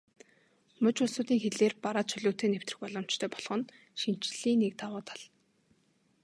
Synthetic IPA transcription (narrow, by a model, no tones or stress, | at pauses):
mɵt͡ɕʊɮsʊːt̪iːŋxeɮeːrpaɾaːt̪t͡ɕʰœɮʲʊːt̪ʰeːnewt̪rɘ̆xpɔɮɞ̆m̥t͡ɕt̪ʰœːpɔɮʁɞ̆n | ʃin̥t͡ɕɮ̥iːŋnek̚t̪ʰawʊːt̪ʰḁɮ